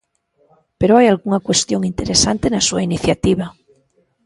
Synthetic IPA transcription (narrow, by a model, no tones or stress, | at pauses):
peɾoajalɣuŋakwe̞st̪joŋint̪eɾesant̪enasuainiθjat̪iβa